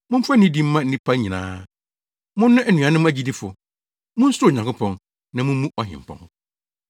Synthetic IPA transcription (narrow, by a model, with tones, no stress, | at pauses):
mʊ̃˦m̩˦fa˦n˦ɪ̃˦di˦m̩ː˦ã˦n̩˦nĩ˦pʰa˦ɲĩ˨nã̰ː˦ | mʊ̃˦nː˦ʊ̃˦ʔæ˨nũ˨ã˨nɪ̃˦m˦æ˦d͡ʑi˦di˦fʊ̰˨ | mʊ̃˦n̩˦sʊ˦˨ɲ˨ã˨kʊ˦pʰɔ̃˨n | nã˨mʊ̃˦mũ˦ʔɔ˨ɦɪ̰̃˨m˨pʰɔ̰̃˨n˨